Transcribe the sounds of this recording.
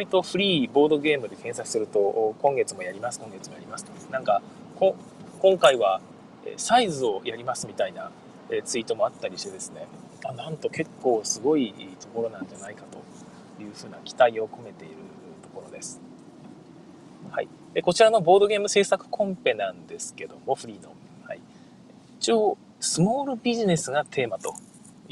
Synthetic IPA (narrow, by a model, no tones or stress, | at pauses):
ɾʲit̪o̞ɸɯ̟ɾʲiːbo̞ːd̪o̞ɡe̞ːmɯ̟d̪e̞kẽ̞ɰ̃sakɯ̟̥sɨɾɯ̟t̪o̞kõŋɡe̞t͡sɨmojaɾʲimasɨ̥kõŋɡe̞t͡sɨmo̞ja̰ɾimasɨ̥t̪onãŋka | kõŋ | kõ̞ŋkaiβa | ḛsaizɨo̞jʔaɾʲimasɨmʲit̪aina | et͡sɨit̪o̞mo̞at̪ːaɾʲiɕi̥t̪e̞d̪e̞sɨne̞ | anãnt̪o̞ke̞kːo̞ːsɨɡo̞it̪o̞ko̞ɾo̞nãnd͡ʑanaikat̪o̞̰ | jɯ̟ːɸɯ̟ːnakʲi̥t̪aio̞kʰo̞me̞t̪e̞ḭɾɯ̟ | t̪o̞̥ko̞ɾo̞d̪e̞sɨ̥ | ha̰i | eko̞t͡ɕiɾano̞bo̞ːd̪o̞ɡʲe̞ːmɯ̟se̞ːsakɯ̟̥kʰõ̞mpe̞nãnd̪e̞sɨ̥ke̞d̪o̞mo̞ɸɯ̟ɾʲiːno̞̰ | hai | it͡ɕo | sɨmo̞ːɾɯ̟bʲiʑine̞sɨɡat̪ʰe̞ːmat̪o̞̰